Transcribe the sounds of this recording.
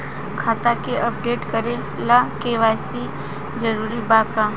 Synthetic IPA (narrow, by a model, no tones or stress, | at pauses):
kʰaːt̪akeʔəp̚ɖeːʈkəɾe | lakeːʋaːsi | d͡ʒəɾuːɾibaːka